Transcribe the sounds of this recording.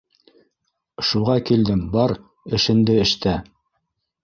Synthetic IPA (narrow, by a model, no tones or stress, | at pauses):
ʃuʁɑkild̪ɘmbɑɾ | ɘ̆ʃɘ̆nd̪ɘɘ̆ʃt̪æ